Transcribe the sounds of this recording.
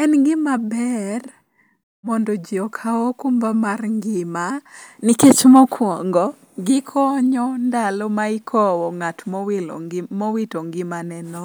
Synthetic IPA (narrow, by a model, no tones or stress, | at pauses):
ɛnɡɪmabɛr | mɔndɔd͡ʒiɔkʰawɔkumbamarŋɡɪmanɪket͡ʃmɔkʰwɔŋɡɔ | ɡɪkʰɔɲɔndalɔmaɪkʰɔwɔŋatmɔwlmɔwitɔŋɡɪmanɛnɔ